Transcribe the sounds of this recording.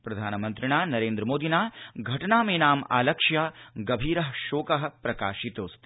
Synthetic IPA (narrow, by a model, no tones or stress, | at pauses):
pɾɐd̪ʱaːnɐmɐnt̪ɾiɳaːnɐɾeːnd̪ɾɐmoːd̪ʱinaːɡʱɐʈɐnaːmeːnaːma̰ːlɐkʂjɐɡɐbʱiːɾɐɦʃoːkɐɦɐ̆pɾɐkaːʃit̪oːst̪i